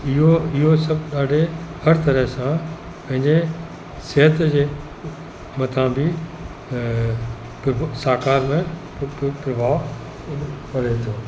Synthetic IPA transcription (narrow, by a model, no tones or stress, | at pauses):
ɪɦoɪɦosɐbɗaːɖehɐɾt̪ɐɾəɦsã | pɐ̃ɦɪ̃ɲd͡ʑe | seɦət̪d͡ʑeː | mɐt̪ʰãbʱi | psaːkaːɾmẽ | pɾɐbʱaː | pɐɽet̪ʰoː